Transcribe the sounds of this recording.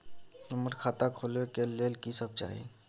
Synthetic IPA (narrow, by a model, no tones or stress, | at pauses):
ʊməɾkʰaːt̪akʰolekeleːlkisəb̚t͡ʃa̰ːɦḛ